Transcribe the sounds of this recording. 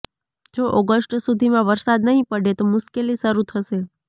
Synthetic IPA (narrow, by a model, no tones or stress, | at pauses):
d͡ʒoʔɔɡəsʈsud̪ʱimãʋəɾsad̪nəɦĩpəɽet̪omʊʃkeliʃəɾut̪ʰəʃe